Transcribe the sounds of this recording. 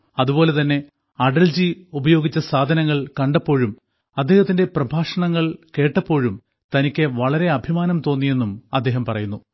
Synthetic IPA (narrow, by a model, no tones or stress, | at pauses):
ɐðubo̞ːle̞t̪ɐnːe̞ | ɐɖɐld͡ʑiubɐjo̞ːɡit͡ɕːɐsaːd̪ʱɐnɐŋːɐɭkɐɳɖɐpːo̞ːɻum | ɐd̪ːeːhɐt̪ːinde̞prɐbʱaːʂɐɳɐŋːɐɭke̞ːʈːɐpːo̞ːɻum | t̪ɐnikʲːeʋɐɭɐɾe̞ɐbʱimaːnɐmt̪o̞ːnːije̞nːumɐd̪ːe̞ːɦɐmpɐrɐjunːu